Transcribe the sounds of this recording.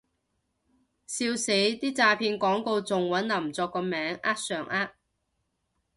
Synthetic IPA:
siː˧wse˨˥jt̪iː˥t͡saː˧pʰiː˧nkɔː˨˥ŋko˧wt͡sʊ˨ŋwɐ˨˥nlɐ˨˩mt͡sɔː˧kːɔː˧mɛː˨˥ŋʔaː˥t̚sœː˨˩ŋʔaː˥t̚

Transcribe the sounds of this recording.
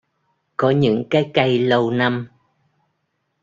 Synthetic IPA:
kɔ˨˦ɲɨ̰˧˥ŋkaː˨˦jka˧jlə˧wna˧m

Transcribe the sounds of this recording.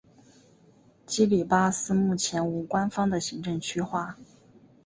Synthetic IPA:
t͡ɕi˥li˨˩pa˥sɹ̩˥mu˥˩t͡ɕʰjɛ˧˥nu˧˥kwa˥nfɑ˥ŋd̪ə˨ɕi˧˥ŋʈ͡ʂɤ˥˩ŋt͡ɕʰy˥xwa˥˩

